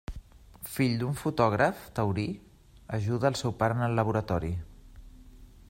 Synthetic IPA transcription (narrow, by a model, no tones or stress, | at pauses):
fiʎd̪uɱfut̪ɔɣ̞ɾəft̪əwɾi | əʒuðəːlˠsɛwpaɾənəlːəβ̞uɾət̪ɔɾi